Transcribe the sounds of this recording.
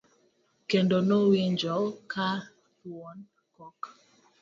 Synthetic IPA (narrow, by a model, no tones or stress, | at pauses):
kendonoweɲd͡ʒɔkʰa | wɔn | kɔk